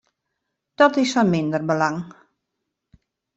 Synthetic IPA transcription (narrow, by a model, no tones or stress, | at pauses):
d̥ɔtɪsfɔnmɪndərbəlaŋ